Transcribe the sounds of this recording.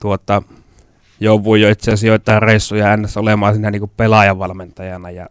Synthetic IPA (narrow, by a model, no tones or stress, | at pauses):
t̪uot̪ːɑ | joˑuʋˑujoit̪seæsijot̪ːˑɑːreˑisːujɑænːæsːæolemɑɑsiːnæniŋkuppelɑjɑʋɑlment̪ɑjɑnɑjɑ̰